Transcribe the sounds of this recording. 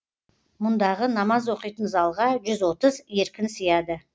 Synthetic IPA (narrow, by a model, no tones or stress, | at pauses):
mʊnd̪ɑʁənɑmɑzwo̞qijt̪ənzɑlˠʁɑʒʏzwo̞t̪əzje̞ɾkʲɪnsəjɑd̪ə